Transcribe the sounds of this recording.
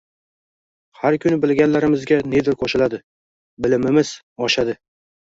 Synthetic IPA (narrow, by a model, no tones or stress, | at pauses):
haɾkʲʰʊnɪbɪlɡʲanlaɾɪmɪzɡʲane̞d̪ɪɾqʰoʃɪlad̪ɪ | bɪlɪmɪmɪz̥ | ɒʃad̪ɪ